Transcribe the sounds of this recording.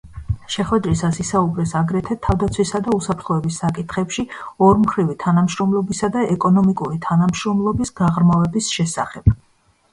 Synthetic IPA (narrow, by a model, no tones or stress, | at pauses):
ʃɛχwɛd̪ɾisasisaubɾɛsaɡɾɛt̪ʰɛt̪ʰːavd̪at̪sʰwisad̪ausapʰɾt̪ʰχɔɛbisːakʼit̪ʰχɛpʃiɔɾmχɾivit̪ʰanamʃɾɔmlˠɔbisad̪aɛkʼɔnɔmikʼuɾit̪ʰanamʃɾɔmlˠɔbisɡ̥aʁɾmavɛbisʃɛsaχɛb̥̚